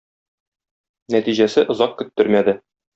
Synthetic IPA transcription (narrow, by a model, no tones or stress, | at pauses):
næt̪iʑæsɘʔŏzɑq̚kɵ̆t̪ːɵɾmæd̪ɘ